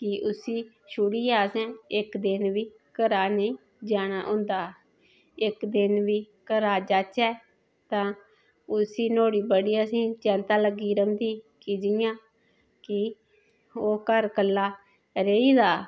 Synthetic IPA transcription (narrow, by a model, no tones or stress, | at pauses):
kɪʔʊsiː | ʃuɽiːaːsɛ̃ːɪkd̪ɪnʋiː | kəɾaːneː | d͡ʒaːñaːɦʊ̃nd̪aː | ɪkd̪ɪnʋiː | kəɾaːd͡ʒaːt͡ʃɛː | t̪ãː | ʊsiːnoːɽiːbəɽiːəsĩːt͡ʃɛ̃ːnt̪aːləɡiːɾəmd̪iː | kiːd͡ʒɪjãː | kɪ | oːkəɾkəlːaː | ɾeiːd̪aː